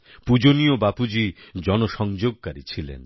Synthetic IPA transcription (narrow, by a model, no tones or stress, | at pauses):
pud͡ʑoniobapud͡ʑid͡ʑɔnoʃɔŋd͡ʑoɡ̚kaɾit͡ɕʰilḛn